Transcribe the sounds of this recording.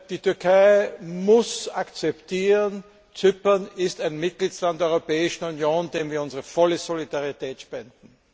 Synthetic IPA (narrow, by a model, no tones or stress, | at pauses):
d̥iːtʏɐkʰaɪmʊsakt͡sɛptʰiːʁən | t͡sʏpɐnɪstæɪnmɪt̚ɡ̥litslantd̥ɛɐʏʁopɛːɪʃn̩unjoːnd̥eːmviːɐʊnzəʁəfɔləzolidaʁitʰɛːtʃpɛnd̥n̩